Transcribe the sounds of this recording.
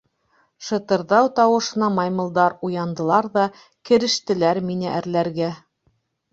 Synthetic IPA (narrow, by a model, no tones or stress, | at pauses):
ʃɤ̆t̪ɤ̆ɾðɑwt̪ɑwɤ̆ʃɤ̆nɑmɑjmɤ̆lˠd̪ɑɾujɑnd̪ɤ̆lˠɑɾðɑ | kɘ̆ɾɘ̆ʃt̪ɘ̆læɾminɘʔæɾlæɾɡæ